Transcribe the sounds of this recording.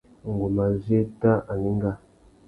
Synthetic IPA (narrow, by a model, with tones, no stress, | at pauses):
ŋ˨ɡo˨ma˨ze˦ta˦ʔa˨ni˦ŋ˦ɡa˦